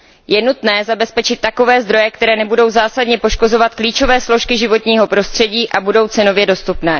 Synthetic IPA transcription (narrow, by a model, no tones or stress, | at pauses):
jɛnut̪nɛːzabɛspɛt͡ʃɪt̪ːako̞vɛːzd̪ɾo̞jɛkt̪ɛɾɛːnɛbudo̞wzaːsadɲɛpo̞ʃko̞zo̞vat̪kliːt͡ʃo̞vɛːsloʃkɪʒɪvo̞t̪ɲiːɦo̞pɾo̞st̪r̥ɛɟiːʔabudo̞wt͡sɛno̞vjɛdo̞st̪upnɛː